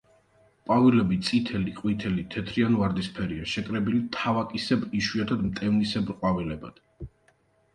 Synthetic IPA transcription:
pʼavilɛbit̪sʼit̪ʰɛliqʼwit̪ʰɛlit̪ʰɛt̪ʰɾianvaɾd̪ispʰɛɾiaʃɛkʼɾɛbilit̪ʰavakʼisɛbiʃwiat̪ʰad̪mt̪ʼɛvnisɛbɾqʼwavilɛbad̪̥

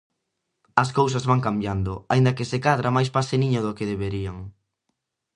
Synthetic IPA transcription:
ɐskows̬ɐzβaŋkambjand̪ʊaind̪ɐkesekaðɾamajspaseniɲoðʊkeðeβeɾiaŋ

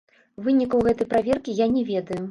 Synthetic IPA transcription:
vɨnʲikɐwɣɛt̪ɐjpɾavʲɛrkʲijanʲɛvʲɛd̪ɐju

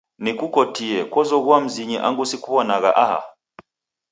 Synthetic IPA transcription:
nikukɔtiɛkwɔzɔɣwam̩ziɲiʔa̰ŋɡusikuβɔnaɣaʔaha̰

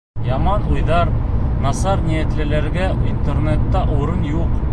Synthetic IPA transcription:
jɑmɑnujðɑɾnɑsɑɾnijæt̪lɘ̆læɾɡæint̪ernet̪ːɑʔuɾɤnjuq

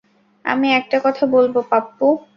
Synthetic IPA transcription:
a̰miɛk̚ʈakɔt̪ʰabolbopapːu

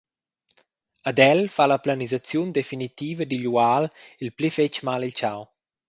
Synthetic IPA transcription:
ad̪ɛlfalaplanizat͡sjund̪efinit̪iːvəd̪iʎualilplifet͡ʃmalilt͡ʃaw

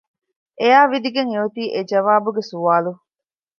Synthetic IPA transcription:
eaːʋid̪iɡeŋeut̪iːʔed͡ʒɐʋaːbuɡesuʋaːlu

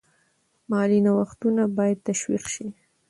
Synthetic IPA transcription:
mɑlinawaxt̪unabɑjad̪̚t̪aʃwḭqʃi

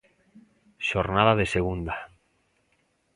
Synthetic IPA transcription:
ʃoɾnaðaðeseɣ̞und̪a

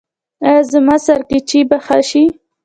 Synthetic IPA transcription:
zəmɑsaɾkit͡ʃibaxaʃi

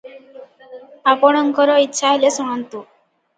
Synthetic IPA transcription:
apɔɽ̃ɔŋkɔɾɔitːʃʰaɦelesuɽ̃ant̪u

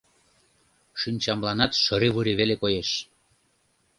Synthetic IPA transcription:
ʃynʲt͡ɕɑmlɑnɑt̪ʃəɾiβuɾiβelekojeʃ

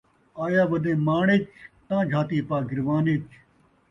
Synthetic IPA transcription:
aːjaːʋɐd̪ẽːmaːɳet͡ʃt̪ãːd͡ʒʱaːt̪iːpaːɡɪɾʋaːnet͡ʃʰ

